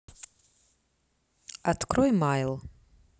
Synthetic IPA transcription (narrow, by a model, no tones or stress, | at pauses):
at̪kɾɔjmajlˠ